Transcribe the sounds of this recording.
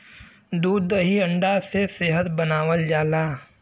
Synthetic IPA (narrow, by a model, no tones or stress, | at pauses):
d̪uːd̪ːəɦiə̃ɳɖaseseɦət̪bənaːwəld͡ʒaːlaː